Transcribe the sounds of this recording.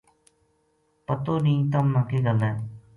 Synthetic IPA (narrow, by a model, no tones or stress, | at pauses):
pət̪oːnĩːt̪̬əmnãːkeːɡəlːɛ̃ː